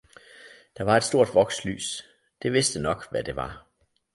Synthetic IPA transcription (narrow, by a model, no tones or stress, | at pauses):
d̥ɑ̈ʋɑ̈e̝d̥sd̥o̝ɐ̰d̥ʋɒ̽ɡ̥sly̰ːs | d̥e̝ʋe̝sd̥ənɒ̽ɡ̥ʋæd̥e̝ʋɑ̈